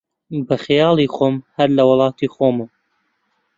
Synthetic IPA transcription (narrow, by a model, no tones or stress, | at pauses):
bɐxjɑːlˠiːxoːmhɐɾlɐwɑlˠɑːt̪ʰiːxoːmɨm